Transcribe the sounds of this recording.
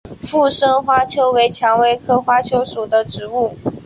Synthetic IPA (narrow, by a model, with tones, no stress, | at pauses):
fu˥˩ʂɤ˥ŋxwa˥t͡ɕʰjo˥ʊwe˧˥ɪt͡ɕʰjɑ˧˥ŋwe˧˥ɪkʰɤ˥xwa˥t͡ɕʰjo˧˥ʊʂu˨˩d̪ə˦ʈ͡ʂɻ̩˧˥u˥˩